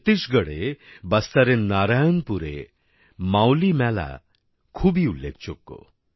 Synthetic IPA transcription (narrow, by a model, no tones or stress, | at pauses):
t̪isɡəɽebɐst̪aɾenaɾajɔnpuɾḛ | mawlimala̰ | kʰubiulːḛk̚ʰt͡ʃɔkːo̰